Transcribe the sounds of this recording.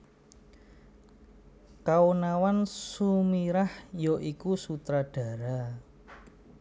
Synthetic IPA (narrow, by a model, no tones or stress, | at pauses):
kaunawansumiɾahjoʔikusut̪ɾaɖ̥a̤ɾa